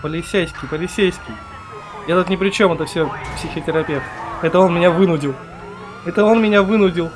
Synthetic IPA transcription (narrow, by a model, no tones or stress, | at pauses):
pəlʲɪsʲːejskʲɪjpəlʲɪsʲːejskʲɪj | jat̪ut̪nʲɪpɾʲɪt͡ɕo̞mɛt̪əfsʲɵpsʲɪxʲətʲɪɾɐpʲe̞ft̪ɛt̪əonmɪnʲavɨnʊdʲɪlˠ | ɛt̪əo̞nmʲɪnʲavɨnʊdʲɪlˠ